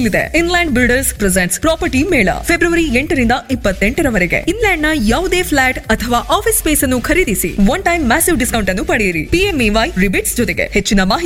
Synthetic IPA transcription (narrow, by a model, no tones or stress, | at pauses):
lid̪ḛinlaːɳɖbilɖɐɾspɾezeɳʈspɾaːpɐɾʈimɛːɭɐ̰pʰebɾuʋɐɾieɳʈɐɾind̪ɐipːɐt̪ːeɳʈɐɾɐʋɐɾeɡe̞̰inlaːɳɖnɐjaːʋud̪eːpʰlaːʈɐt̪ʰɐʋaːʔaːpʰispeːsɐnːukʰɐɾid̪isḭʋɐnʈɐjmːaːsiʋɖiskɐwɳʈɐnːupɐɽejiɾḭpiemiʋajɾibiʈsd͡ʒɔt̪eɡḛhet͡ʃːinɐmaːɦi